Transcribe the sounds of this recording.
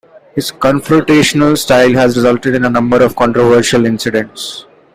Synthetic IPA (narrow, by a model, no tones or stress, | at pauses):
hɪzkɔ̃nfɾoʈeːʃənəlsʈaɪlɦæzɾɪzʌlʈeɖɪ̃nənʌ̃mbəɾɔʋkɔ̃ːɳʈɾoʋəːɾʃəlɪ̃nsɪɖẽɳʈs